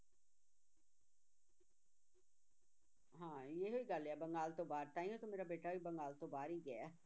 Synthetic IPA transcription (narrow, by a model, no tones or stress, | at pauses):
ɦãːjeɦoiɡaleabɐŋɡaːlt̪obaːɾt̪aːĩõt̪omeːɾabeːʈaɦoibɐ̃ŋɡaːlt̪obaːɾiɡɐja